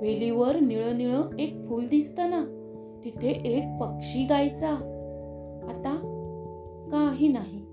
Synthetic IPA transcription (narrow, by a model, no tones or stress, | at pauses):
ʋeliʋəɾniɭəniɭəek̚fuld̪ist̪əna | t̪it̪ʰeʔek̚pəkʂiɡajt͡saː | t̪a | kaɦinaɦi